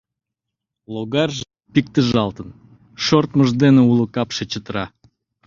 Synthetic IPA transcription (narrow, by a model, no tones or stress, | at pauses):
loɣɑrʒ | pik̚t̪əʒɑlt̪ən | ʃort̪məʒd̪eneulˠukɑpʃet͡ɕət̪əɾɑ